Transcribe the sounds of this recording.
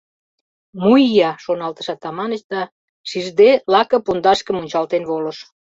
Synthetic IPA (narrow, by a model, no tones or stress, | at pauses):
mujjɑʃonɑlt̪ə̥̆ʃɑt̪ɑmɑnət͡ɕd̪ɑ | ʃiʒd̪elɑkɤ̆pund̪ɑʃkə̆munʲt͡ɕɑlt̪enβolə̆ʃ